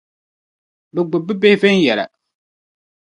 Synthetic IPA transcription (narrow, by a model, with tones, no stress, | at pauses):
bɛ˨ɡ͡bʊ˨bɨ˦be˦hvɛ˦n˦jɛ˨la̰˨